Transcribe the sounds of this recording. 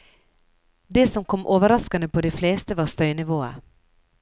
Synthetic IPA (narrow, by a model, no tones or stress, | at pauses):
d̪ɛsɔmkʰɔmːʔoːʋəɾɑskɑnəpʰɔd̪ɛfleːst̪əvɑɾst̪œʏnɪvoːə̰